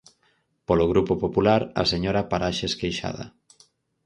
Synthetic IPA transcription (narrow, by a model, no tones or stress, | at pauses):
poloɣɾupopopulaɾɐ̰seɲoɾapaɾaʃeeskejʃa̰ðɐ̰